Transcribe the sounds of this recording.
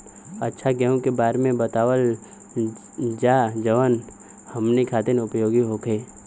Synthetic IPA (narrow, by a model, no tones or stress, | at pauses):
ɐtːʃʰaɡɛɦũkebaːɾmẽbət̪aːʋəl | d͡ʒaːd͡ʒəʋən | hɐmnikʰaːt̪ɪnʊpjoːɡiɦoːkʰeː